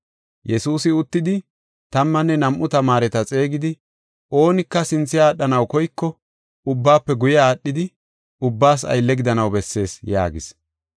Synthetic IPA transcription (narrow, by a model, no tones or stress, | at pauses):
jɛsuːsɪʊt̪ːɪd̪ɪ | t̪ɐmːɐnːɛnɐmʔʊt̪ɐmaːɾɛt̪ɐt͡sʼe̞ːɡɪd̪ɪ | ʔo̞ːnɪkːɐsɪnt͡sːɪjaːɗːɐnɐwkɔjkːɔ | ʊbːaːpːɛɡʊjaːɗːɪd̪ɪ | ʊbːaːs̬ɐ̰jlːɛɡɪd̪ɐnɐwbɛsːe̞ːsja̰ːɡɪs